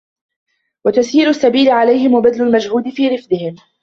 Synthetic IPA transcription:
wat̪asiːlʊsːabiːlɪʕalajhɪmwabad̪lʊlmad͡ʒhuːd̪ɪfiːɾɪfd̪ɪhɪm

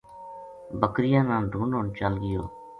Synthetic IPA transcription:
bəkɾɪjãːnãːɖʱuːnɦoːɳt͡ʃəlɡɪjo̰ː

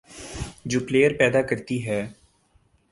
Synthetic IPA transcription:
d͡ʒuːpleːjəɾpɛːd̪aːkəɾt̪iɦɛː

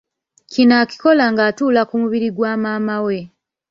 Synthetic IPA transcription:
cinaːci̥ko̞laŋɡaːtuːlakumuβiɾiɡwaːmaːmawe̞

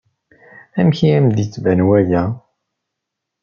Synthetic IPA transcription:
æmçiæmd̪it͡sːvænwæjæ

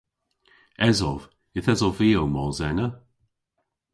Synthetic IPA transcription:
ɛzɔv | ɪθɛzɔviːowmɔzɛnə

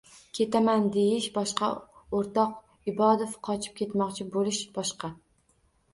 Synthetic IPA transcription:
kʲʰe̞t̪ʰamand̪e̞jɪʃbɒʃqɑoɾt̪ɒq | ɪbɒd̪ofqʰɒt͡ʃʰɪ̥p̚kʲʰe̞t̪mɒqt͡ʃʰɪbolɪʃb̥ɒʃqɑ

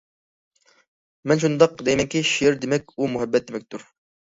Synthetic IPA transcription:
mɛnʃ̬und̪ɑqd̪ejmɛŋkʲʰiʃiɾd̪emɛkʲumuɦɛbːɛt̪̚d̪emɛk̚ʲt̪ʰuɾ

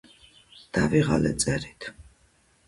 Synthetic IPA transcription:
d̪̥aviʁa̰lɛt̪sʼɛɾit̪ʰ

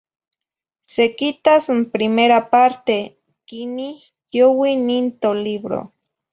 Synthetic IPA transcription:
sekit̪asmpɾimeɾapaɾt̪e | kini | jjowinint̪oliβɾo̰

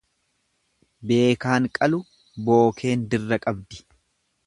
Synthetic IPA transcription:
be̞ːkaːŋkʼɐlʊ | bo̞ːkʰe̞ːnd̪ɪrːɐkʼɐbd̪ɪ̥

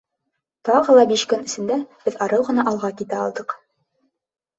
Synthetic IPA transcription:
t̪ɑʁɤ̆lˠɑbiɕkɵnɘ̆sɘ̆nd̪æb̥ɘðɑɾɤwʁɤ̆nɑʔɑlˠʁɑkit̪æɑ̰lˠd̪ɤq

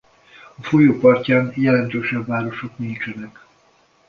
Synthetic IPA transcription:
ɒfo̞joːpɒrcaːnjɛlɛnt̪øːʃɛbːaːɾo̞ʃo̞knint͡ʃɛnɛk

